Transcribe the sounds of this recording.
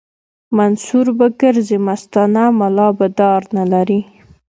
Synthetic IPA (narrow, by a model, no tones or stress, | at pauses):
mansuɾbaɡəɾzemast̪ɑnamalɑbad̪ɑɾnalaɾi